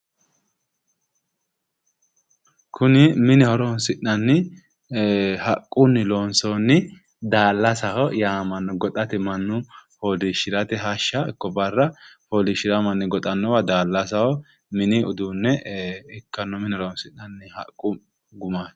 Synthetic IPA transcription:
kʰʊnɪmɪnɪhɔɾɔnsɪʔnɐnːɪ | hɐkʼːʊnːɪloːnsɔnːɪ | d̪aːlːɐsɐhɔjaːmɐnːɔɡɔt̪ʼɐt̪ɪmɐnːʊholiʃɪɾɐt̪ɛɦaʃːɐɪkːɔbɐrːɐhoːlɪʃɪɾɐmɐnːɪɡɔt̪ʼɐnːɔwɐd̪aːlːɐsɐhɔ | mɪnɪʊd̪unːɛɛkːɐnːɔmɪnɪhɔɾɔnsɪʔnɐnːɪhɐ̰kʼːʊ | ɡʊmaːs

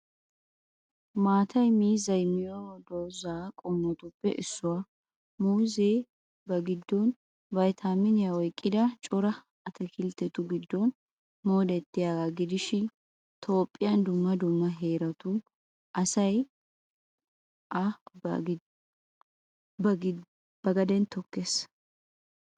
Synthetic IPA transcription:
maːt̪ʰɐjmiːzɐjmɪjod̪oːzaːkʼɔmːɔt̪ʊpːɛ̰ʔɪsːʊwɐ | muːzeː | bɐɡɪd̪ːɔn | bɐjt̪ʰamɪnɪjɐɔjkʼːɪd̪ɐt͡ʃʼɔɾɐ | ɐt̪ʰɛkʰɪlt̪ːɛt̪ːʊɡɪd̪ːɔn | mo̞ːd̪ɛt̪ːɪjaɡaɡɪd̪ɪʃɪ | t̪ʰo̞ːpʼːɪjɐnd̪ʊmːɐd̪ʊmːɐɦeːɾɐt̪ʊ | ʔɐsɐj | ʔɐ | bɐɡ | b̥ɐɡɐd̪ɛnt̪ʰɔkːes

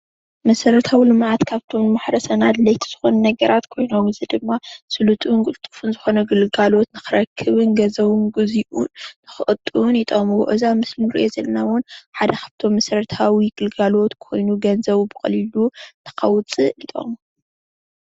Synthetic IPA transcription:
mɐsɐɾɐt̪ʰawilɨmʕat̪kʰaβt̪ʰo̞mnɨmaħɾɐsɐnad̪lɐjt̪ʰi̥z̥ɨ̥xonɐnɐɡɐɾat̪kʰo̞jnomɨzɨd̪ɨmːasɨlut̪ʼnɡʼɨlt̪ʼɨ̥funzɨxo̞nɐɡɨlɡalo̞t̪nɨxɨɾɐkʰːɨβɨnɡɐzɐwɨnɡoziʔunːɨxɨʔʼɨt̪ʼːɨunɪt̪ʼomuw̰ʔɨzamɨslinɾḭʔozɐlnawʊnħad̪ɐkʰḁβt̪ʰo̞mːɐsɐɾɐt̪ʰawiɡɨlɡalo̞t̪kʰo̞̰jnuɡɐnzɐβbɨkʼɐ̰lilut̪ʰɐ̥kʰɐwt͡sʼɨit̪ʼo̰m

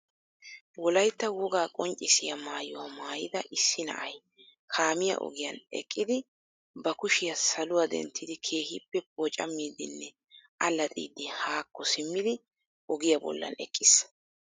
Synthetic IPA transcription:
wɔlɐjt̪ːɐwɔɡaːkʼɔnt͡ʃʼɪsɪjɐmaːjʊwɐmaːjɪd̪ɐʔɪsːɪnɐ̰ʔɐj | kʰaːmɪjɐ̰ʔɔ̰ɡɪjɐnɛ̰kʼːɪd̪ɪ | bɐkʊʃɪjɐsɐlʊwɐd̪ɛ̰nt̪ʰːɪd̪ɪkʰe̞ːhɪpːɛpoːt͡ʃʼɐmːiːd̪ɪnːɛ | ɐlɐt̪ʼḭːd̪ːɪhaːkːɔsɪmːɪd̪ɪ | ʔɔɡɪjɐbɔ̰lːɐ̰nɛ̰kʼːɪs

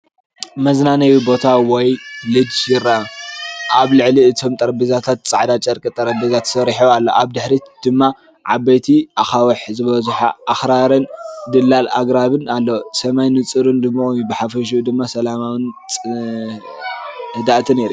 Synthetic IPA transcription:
mɐznanɐjubo̞t̪ʰawɔjlɨd͡ʒjɪɾːa | ʔaβlɨʕliɨt̪ʰo̞mt̪ʼɐɾɐbɨzat̪ʰat̪̚t͡sʼa̰ʕd̪at͡ʃʼɐɾkʼɨt̪ʼɐɾɐbizat̪ʰsɐɾħualːoʔaβd̪ɨħɾid̪̥ɨmːa | ʕabɐjt̪ʰiʔaxawɐħzɨβɐzuħa̰ʔːxɾaɾɨnd̪ɨlːala̰ɡɾaβɨnalːosɐmajnɨt͡sʼɨɾund̪ɨmːabɨħafɐʃ̬d̪ɨmːasɐlamawɨnʼ | hɨd̪aʔt̪ʰɨneɾi

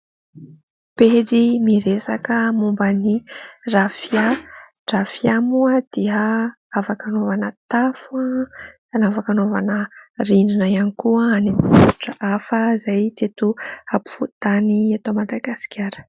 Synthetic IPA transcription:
ped͡zimiɾesakəmumbənirafa | ʈ͡ʂafjamuəd̪̥iə | avakanovanət̪afua | anavakanova̰nərininajanikuəanimuu̥ʈ͡ʂəʔafəzajt͡set̪uapu̥fut̪aniat̪omad̪aɡasi̥kʲjaɾə̥

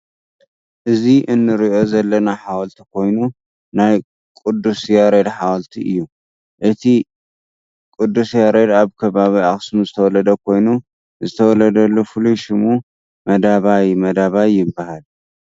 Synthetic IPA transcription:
ʔɨziʔɨnːɨɾiʔo̞zɐlːɐnaħawɔlt̪ʰi̥kʰo̞jnu | naj | kʼɨd̪ːusjaɾed̪ħawɔlt̪ʰiʔɨjːu | ʔɨt̪ʰi | kʼɨd̪ːusjaɾed̪aβkʰɐβaβiaxsmuzɨt̪ʰɐwɔlɐd̪ɐkʰo̞jnu | zɨt̪ʰɐwɔlɐd̪ɐlːofɨlujʃɪmu | mɐd̪aβajmɐd̪aβajːɪbːahal

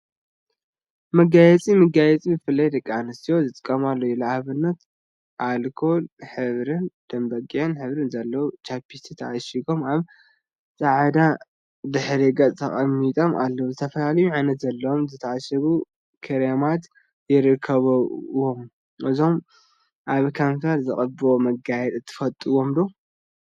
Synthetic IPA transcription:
mɐɡajɛt͡sʼimɨɡajɛt͡sʼibɨfɨlːajd̪ɐkʼːianɨst̪ʰijo̞zɨt̪ʼɨ̥kʼːɐmalːojulaahβɨnːɐt̪ | ʔalkʰo̞lħɨβɾɨnd̪̥ɐmbɐkʼːiʕɨnħɨβɾɨnzɐlːɐwut͡ʃʰapʰːit̪ʰit̪ʰɐʔaʃiɡo̞mʔaβ | sʼɐʕd̪a | d̪ɨħɾiɡɐt͡sʼt̪ʰɐ̰xʼɐmːit̪ʼo̞mʔa̰lːɐwuzɨt̪ʰɐfɐlalɐjuʕanɐt̪zɐlːɐwomzɨt̪ʰɐaʃɐβu | kʰɐɾemat̪ | jɪɾɨkʰːɐβɐwom | ʔɨzo̞m | ʔaβkʰanfɐɾzɨχʼɐbomɐɡajɛt̪ʼɨt̪ʰːɨ̥fɐt̪ʼːɨwo̞md̪o

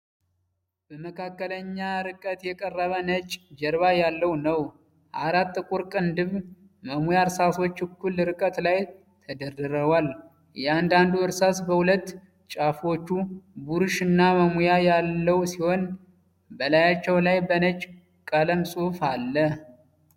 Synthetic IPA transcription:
b̥əməkʰakːələɲːaɾɨkʼət̪jɛkʼərːəβənət͡ʃʼd͡ʒɛɾβajalːəwnəw | ʔa̰ɾat̪ːɨkʼuɾkʼɨnd̪ɨβ | məmujaɾsaso̞t͡ʃːɨkʰːulɾɨkʼət̪laj | t̪ʰəd̪ərɨɾəβwal | jɛand̪and̪uɨɾsasbəhulət̪ː | t͡ʃʼafo̞t͡ʃːubuɾɨʃɨnːaməmujajalːəwsiho̞n | bəlajat͡ʃːɛwlajbənət͡ʃʼ | kʼələmsʼufalːə

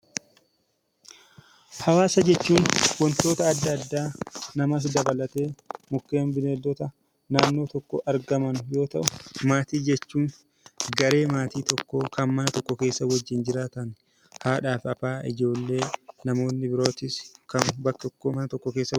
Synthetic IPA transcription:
hɐwaːsɐd͡ʒɛt͡ʃːuːnwɔnt̪o̞ːt̪ɐːd̪ːɐd̪ːaːnɐmɐs̬d̪ɐbɐlɐt̪eːmʊkːeːmbɪneːlːɔt̪ɐ | naːnːo̞ːt̪ɔkːɔʔɐɾɡɐmɐnʊjo̞ːt̪ɐ̰ʔʊmaːt̪iːd͡ʒɛt͡ʃːuːn | ɡɐɾe̞ːmaːt̪iːt̪ɔkːoːkɐnmɐnɐt̪ɔkːɔke̞ːsːɐwɐd͡ʒːɪnd͡ʒɪɾaːt̪ɐn | haːᶑaːfɐfaːʔɪd͡ʒo̞ːlːe̞ːnɐmo̞ːnːɪbɪɾo̞ːt̪ɪskɐnbɐkːt̪ɔkːoːmɐnɐt̪ɔkːɔke̞ːsːɐ

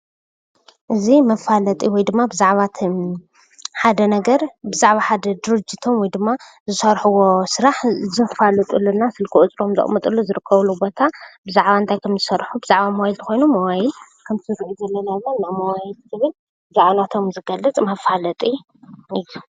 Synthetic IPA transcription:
ʔɨzimɐfalɐt̪ʼiwɔjd̪ɨmːabɨzaʕβat̪ʰ | ħad̪ɐnɐɡɐɾbɨzaʕβaħad̪ɐd̪ɨɾɨd͡ʒit̪ʰo̞mwɔjd̪ɨmːa | zɨsɐɾħuwo̞sɨɾaħzɨfalɐt̪ʼulːunasɨlkʰɨʔut͡sʼɾomzɨ̰χʼmɐt̪ʼulːuzɨɾɨkʰːɐβlːubo̞t̪ʰabɨzaʕβaɨnt̪ʰajkʰɐmzɨsɐrħubɨzaʕβamɐwajilt̪ʰɨ̥xʰo̞jnumɐwajɪl | kʰɐmt̪ʰɾiʔuzɐlːɐnad̪ɨlanːamɐwajilzʰɨβɨl | bɨzaʕβanat̪ʰo̞mzɨɡɐlːɐt͡sʼmɐfalɐt̪ʼi | ʔɨjːu

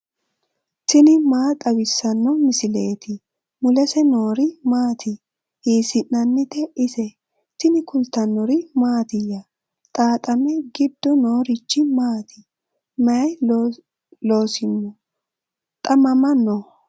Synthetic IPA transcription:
t̪ɪnɪmaːt̪ʼɐwɪsːɐnːɔmɪsɪle̞ːt̪ɪ | mʊlɛsɛno̞ːɾɪmaːt̪ʰɪ | hiːsɪnːɐnːɪt̪ɛɪsɛ | t̪ɪnɪkʊlt̪ːɐnːɔɾɪmaːt̪ɪjɐ | t̪ʼaːt̪ʼɐmɛɡɪd̪ːɔnoːɾɪt͡ʃːɪmaːt̪ʰɪ | mɐj | lo̞ːsɪnːɔ | t̪ʼɐmɐmɐnːɔ

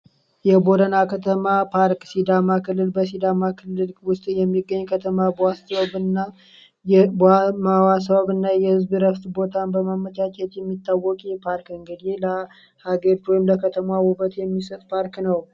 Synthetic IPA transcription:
jɛbo̞ɾənakʰət̪ʰəmapʰaɾksid̪amakʰɨlːɨlbəs̬id̪amakʰɨlːɨlwʊst̪ʼjɛmːiɡːəɲːkʰət̪ʰəmabasəβəβɨnːa | jbamawasəβaβɨnːajɛhɨzbɨɾəβt̪bo̞t̪ʰanbəmamːət͡ʃ̪at͡ʃɛt̪jɛmːit̪ʼːawːɔkʼjɛpʰaɾkɨŋɡɨd̪elə | haɡeɾd͡ʒojmləkʰət̪ʰəmawubət̪jɛmːisət̪ʼpʰaɾknəw

